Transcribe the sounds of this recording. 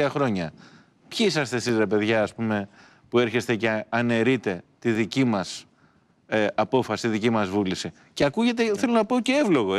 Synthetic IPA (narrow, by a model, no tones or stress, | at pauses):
ɐxɾo̞ɲɐ | pçiisɐst̪esizɾe̞pe̞ðʝɐːspume̞ | pue̞ɾçe̞st̪e̞ce̞ɐne̞ɾit̪e̞t̪iðicimɐs | ɐpo̞fɐsi̥t̪iðicimɐzvulisi | ceɐkuʝe̞t̪̬eθe̞lonɐpo̞ceevlo̞ɣo